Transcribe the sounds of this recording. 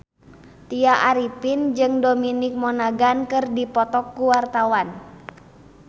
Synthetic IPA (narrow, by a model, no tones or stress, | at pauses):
t̪iaʔaɾipind͡ʒɨŋdominɪk̚mɔnaɡankɨrdipɔt̪ɔkːuwart̪awan